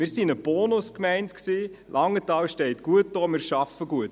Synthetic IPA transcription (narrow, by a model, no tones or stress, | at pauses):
mɪːɾsinəb̥ɔːnʊskmɛɪntksiː | lʔɑŋːətɑːlʃtɛɪtɡ̥uət̚d̥oːmɪːɾʃɑfəɡuət